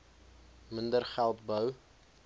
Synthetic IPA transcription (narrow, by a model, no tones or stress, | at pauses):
məndərχælˠtbəw